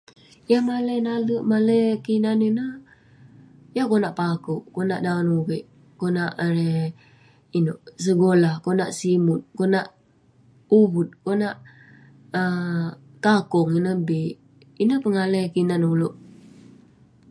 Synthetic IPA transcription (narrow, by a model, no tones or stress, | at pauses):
jamalənaləʔmaləjkinaninəh | jakonaʔpakuʔkona̰ʔdaonuβiʔ | konaʔɾe | inoʔs̬əɡolahkonaʔsimʊt̪̚konaʔ | uβut̪̚konaʔ | ə | k̪akʊŋinəbiʔ | inəhpəŋalekinanuloʔ